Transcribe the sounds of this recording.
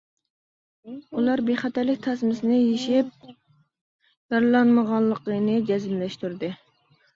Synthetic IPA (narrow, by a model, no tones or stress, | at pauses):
ulˠɑɾbeχɑt̪ælɪkʲt̪ʰɑsmɪsnɪjeʃɪp̚ | jɑɾlˠɑnməʁɑlˠːəqənɨd͡ʒɛzɪmlɛʃt̪uɾd̪ɪ